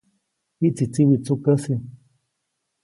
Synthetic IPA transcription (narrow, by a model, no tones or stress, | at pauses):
hit͡sit͡siβit͡sukəsi